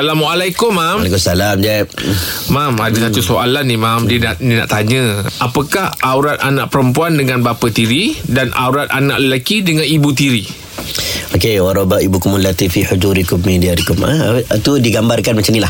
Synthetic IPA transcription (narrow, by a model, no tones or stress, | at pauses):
salamwaalajkʊmːamakʊsalamd͡ʒamamadasat̪usoʔalanːimamdinaʔdina̰ʔt̪aɲə̃apakahawɾat̪̚anaʔpəɾəmpuandəŋãnbapət̪iɾidanʔa̰wɾat̪̚a̰nã̰ʔləlakidəŋãnibut̪̬iɾi | okewaɾɔbaʔibukumulat̪ifiħud͡ʒuɾikʊmːediaɾikʊma̰t̪udiɡambarkanmat͡ʃamnilah